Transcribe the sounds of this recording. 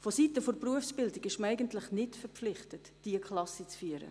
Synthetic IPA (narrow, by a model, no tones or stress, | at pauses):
fositəfʊɾpruəfsb̥ɪldɪɡɪʃməæɪɡəntlɪχnɪtfɛpflɪχtət | d̥iəkχlɑsit͡sfyəɾə̰